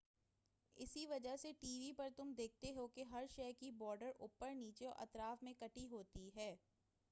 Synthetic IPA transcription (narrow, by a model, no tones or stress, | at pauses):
ɪsiʋɐd͡ʒəɦseʈiːʋipɐɾt̪ʊmd̪eːk̚ʰt̪eɦokeɦɐɾʃɛːkibɔːɾɖəɾʔʊpːəɾniːt͡ʃeɔ̰ʔɐ̰t̪ɾaːfmẽkɐʈiɦoːt̪iɦɛː